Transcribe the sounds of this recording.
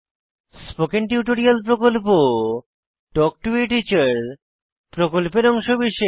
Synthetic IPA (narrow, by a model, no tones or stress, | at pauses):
spokenʈiuʈoɾialpɾokolpo | ʈɔk̚ʈueʈit͡ɕaɾ | pɾokolpeɾɔŋʃobiʃe